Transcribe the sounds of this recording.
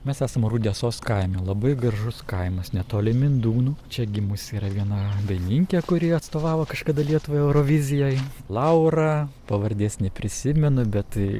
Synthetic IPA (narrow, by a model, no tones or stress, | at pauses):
mʲɛsæːsɐmɾud̪ʲiːsoːskɐɪmʲɛːlˠɐbɐɪɡɾɐʒʊskɐɪmɐsnʲɛt̪oːlʲɪmʲɪnd̪uːnuːt͡ʃʲɛɡʲɪmʊsiːɾɐʋʲiɛnɐbʲɛɪnʲɪŋʲkʲɛkʊɾʲiːɐt̪st̪oːʋɑːʋokɐʃkɐd̪ɐlʲiɛt̪ʊʋɐːjɛʊɾoːʋʲɪzʲɪjoːj | lˠɐʊɾɐpɐʋɐɾʲd̪ʲeːsʲnʲɛpʲɾʲɪsʲɪmʲɛnʊbʲɛt̪